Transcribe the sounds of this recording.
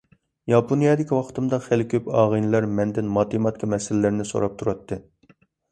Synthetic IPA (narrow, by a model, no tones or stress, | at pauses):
jɑpʰonijɑd̪ɪkʲiwɑqʰə̥t̪ʰɨmd̪ɑχælkʲʰøpɑːʁɨnɨlæɾmɛnd̪ɪnmɑt̪ɨmɑt̪kʰʲɑmɛsɪlɪlɪɾnɪso̰ɾɑp̚t̪ʰuɾɑt̪ʰːɨ